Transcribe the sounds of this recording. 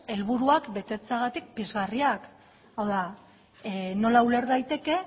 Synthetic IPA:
e̞lβuɾuakbe̞t̪e̞t͡seaɣat̪ik̚pizɣariak | awða | no̞laule̞ɾðajt̪e̞ke̞

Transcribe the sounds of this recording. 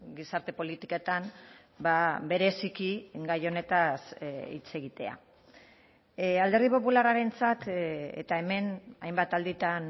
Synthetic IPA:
ɡisaɾt̪e̞po̞lit̪iko̞t̪am | babe̞ɾe̞sikiɡajo̞ne̞t̪asḭt͡se̞ɣit̪e̞a̰ | ald̪e̞ɾðipo̞pularaɾe̞nt͡sat̪ḛt̪ae̞me̞najmbat̪ald̪it̪an

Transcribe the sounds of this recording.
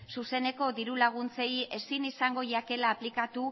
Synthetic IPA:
suse̞ne̞ko̞d̪iɾulaɣ̞unt͡se̞je̞sinisaŋɡo̞ʝake̞laːplikat̪u

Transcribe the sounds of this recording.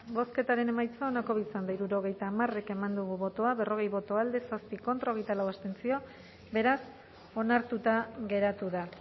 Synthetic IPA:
bo̞ske̞t̪aɾe̞ne̞majt͡saonako̞β̞it͡sand̪aiɾuɾo̞ɣ̞e̞jt̪aːmare̞ke̞mand̪uɣuβo̞t̪o̞aβe̞ro̞ɣ̞e̞jβo̞t̪o̞ald̪e̞saspiko̞nt̪ɾaoɣejt̪alawast̪e̞nsio̞ | be̞ɾas | o̞naɾt̪ut̪aɣe̞ɾat̪uða

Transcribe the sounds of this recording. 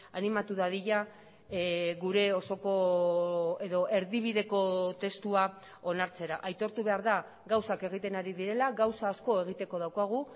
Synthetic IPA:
animat̪uðaðiʎa | ɣuɾe̞o̞so̞ko̞ | e̞ðo̞ʔe̞ɾðiβ̞iðe̞ko̞t̪e̞st̪ua | o̞naɾt͡se̞ɾaʔajt̪o̞ɾt̪uβe̞aɾða | ɡawsake̞ɣ̞it̪e̞naɾiðiɾe̞laɣawsaːsko̞e̞ɣ̞it̪e̞ko̞ð̞awkaɣ̞u

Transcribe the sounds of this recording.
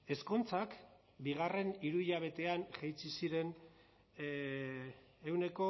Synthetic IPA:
e̞skont͡sak | biɣare̞niɾuiʎaβ̞e̞t̪e̞anʝejt͡sisiɾe̞n | e̞wne̞ko̞

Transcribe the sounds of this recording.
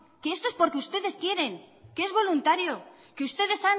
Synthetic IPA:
keest̪oespo̞ɾkeust̪e̞ðe̞skje̞ɾe̞ŋkee̞zβo̞lunt̪aɾjo | keust̪e̞ðe̞san

